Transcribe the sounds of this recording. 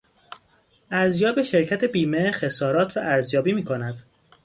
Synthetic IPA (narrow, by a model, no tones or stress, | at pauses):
ʔæɾzjɒːbeʃe̞ɾcʰæt̪ʰe̞biːmexe̞sɒːɾɒːt̪ʰɾɒ̰ːʔæɾzjɒːbiːmiːkʰo̞næd̪̥